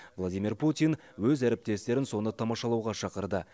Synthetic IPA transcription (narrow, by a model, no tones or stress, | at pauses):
vlˠad̪ʲijmirput̪ʲijn | wɵzæɾep̚t̪e̞st̪e̞ɾɪnso̞nət̪ʰɑmɑʃɑlˠɑwʁɑʃɑqəɾd̪ə